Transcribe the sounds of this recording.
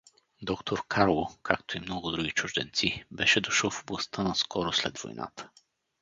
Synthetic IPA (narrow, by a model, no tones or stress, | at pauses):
d̪ɔkt̪ʰoɾkʰaɾlˠokʰakt̪oimnɔɡʊd̪ɾuɡit͡ʃʊʒd̪ɛ̰nt̪sibɛʃɛd̪oʃɤlˠfoblˠɐst̪ənɐskʰɔɾoslɛ̰d̪vo̰jnʔa̰t̪ə̥